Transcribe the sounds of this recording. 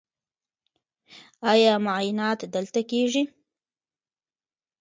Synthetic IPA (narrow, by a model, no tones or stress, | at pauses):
ɑjɑmʊajɪnɑt̪d̪əlt̪akeʐi